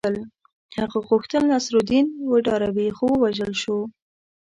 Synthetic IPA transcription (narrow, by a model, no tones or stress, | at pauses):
əl | haɣaɣoxt̪əlːasɾod̪inwəɖɑɾawixowəwaʒəlʃo